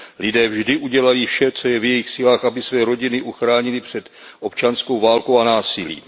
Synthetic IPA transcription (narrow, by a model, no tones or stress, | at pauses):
lɪdɛːvʒdɪʔuɟɛlajifʃɛt͡so̞jɛvjɛjɪxsɪlaːxʔabɪsvɛːɾo̞ɟɪnɪʔuxɾaːɲɪlɪpr̝̥ɛt̪ | ʔo̞pt͡ʃanskowvaːlkowanaːsɪlḭː